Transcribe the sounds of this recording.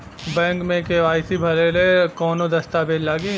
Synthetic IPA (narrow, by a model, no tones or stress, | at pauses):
bɛ̃ːŋkmẽkeʋaːɪsibʱɐlelekɔːnod̪ɐst̪abeːd̪laːɡi